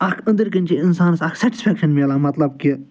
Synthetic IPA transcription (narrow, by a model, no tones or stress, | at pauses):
ɐkʰɐ̃nd̪əɾkənt͡ʃiɪnsaːnsɐkʰsɛʈi̥spʰɛkʃɐnmeːlaːmɐt̪lɐbki